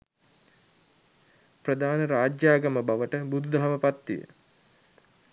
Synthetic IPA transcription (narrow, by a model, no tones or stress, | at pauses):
prəd̪aːnəɾaːd͡ʒjaːɡaməbaʋəʈəbud̪ud̪aɦaməpat̪ːḭjə̰